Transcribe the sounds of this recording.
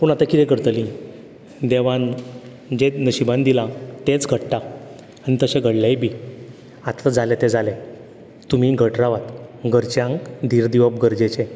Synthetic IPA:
puɳat̪akid̪ekəɾt̪əlĩ | d̪eʋãn | d͡ʑenəɕibãnd̪ilãt̪ẽt͡sɡʱəɽʈa | anit̪əɕẽɡʱəɽlajbʱi | at̪ʰad͡zalet̪ed͡zale | t̪um̤iɡʱəʈɾaʋat̪ɡəɾt͡ɕjãŋkd̪ʱiːɾd̪iʋəb̚ɡəɾd͡ʑet͡ɕe

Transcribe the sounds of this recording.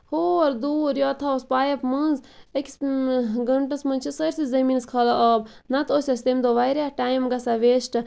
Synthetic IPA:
hoːɾd̪uːɾjɔt̪ʰaospaːjɐpmɐnzekʲisɡɐɳʈɐsmɐ̃nʲt͡ʃʰisɐɾʲsizɐmiːnskʰɐlaʔɐːb̚nɐt̪osʲɐst̪emd̪oʋajɾʲaʈaːjmɡɐsaʋeːsʈ

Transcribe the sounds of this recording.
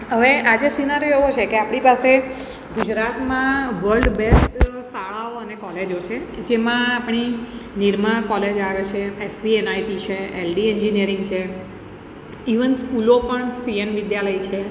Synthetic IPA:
ɦəʋeʔad͡ʒesinaɾjoeʋot͡ʃʰekeapɽ̃ipase | ɡud͡ʒɾat̪mãʋəɾlɖbesʈsaɭaoənekɔled͡ʒot͡ʃʰed͡ʒemãapɳ̃iniɾmãkɔled͡ʒaʋet͡ʃʰeesʋienaiʈit͡ʃʰeelɖieɲd͡ʒiniəɾɪŋɡt͡ʃʰe | iʋənskulopəɳsienʋɪd̪jaləjt͡ʃʰe

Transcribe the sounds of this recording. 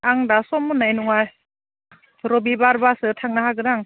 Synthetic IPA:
aŋdasɔmːunajnɔŋaj | ɾɔbibaɾbasɯtʰaŋnaɦaɡɯɾaŋ

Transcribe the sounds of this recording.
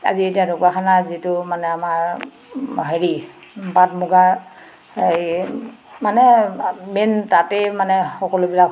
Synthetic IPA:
a̰zietiadʊkwakʰanazitʊmanɛamaɹ | ɦeɹi | batmuɡa | manɛmentatemanɛxɔkɔlʊbilak

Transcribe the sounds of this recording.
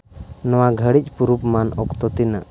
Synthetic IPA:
nɔwaɡʱəɽic̚ˀpuɾupmanɔ̰kt̪ɔt̪ina̰ʔ

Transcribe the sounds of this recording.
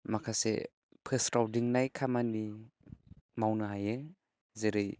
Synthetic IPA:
makʰasḛ | pʰesɾawdiŋnajkʰamani | mawnɯɦaje | zeɾɯj

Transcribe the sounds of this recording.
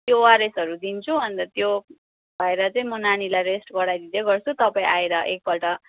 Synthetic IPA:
t̪jowaɾesʌɾud̪int͡sʰubʱʌnd̪at̪jo | bʱʌeɾʌt͡saĩmʌnanilajɾesʈpʌɽajd̪id̪eɡʌrt͡sʰut̪ʌpaĩʔaeɾʌʔek̚pʌlʈʌ

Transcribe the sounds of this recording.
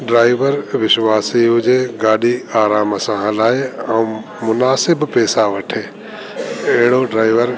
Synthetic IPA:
ɖɾaːɪʋəɾʋɪʃʋaːsiɦʊd͡ʒeɡaːɗiaːɾaːməsãːɦlaːeɐũ | mʊnaːsɪbpɛːsaʋɐʈʰeː | eɦɽoɖɾaːɪʋəɾ

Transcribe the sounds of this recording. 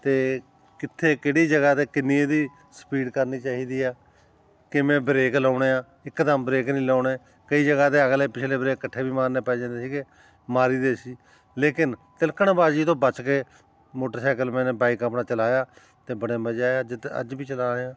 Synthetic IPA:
t̪eː | kɪt̪ʰːeːkeːɽiːd͡ʒəɡaːt̪eːkɪnːĩːd̪iː | sə̥piːɖkəɾniːt͡ʃaːɦiːd̪iːaː | kɪmɛ̃ːbɾeːklaːɽeːãː | ɪkːd̪əmbɾeːknĩːlaːɳeː | kəiːd͡ʒəɡaːt̪eːəɡleːpɪt͡ʃʰleːbɾeːkːəʈʰːeːbiːmaːɾneːpɛːd͡ʒãːnd̪eːsiːke | maːɾiːd̪eːsiː | leːkɪnt̪ɪlkəɳbaːd͡ʒiːt̪õːbət͡ʃkeː | moːʈəɾsaːkəlmɛ̃ːneːbaːɪkapɳaːt͡ʃəlaːjaː | t̪eːbəɽ̃ẽːmbəːd͡ʒaːjaːd͡ʒɪt̪ə̰d͡ʒbiːt͡ʃəlaːɽeːãː

